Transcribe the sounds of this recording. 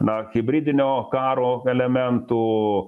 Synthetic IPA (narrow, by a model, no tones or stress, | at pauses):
nahibɾid̪nɛɔkaɾɔɛlɛmɛnt̪u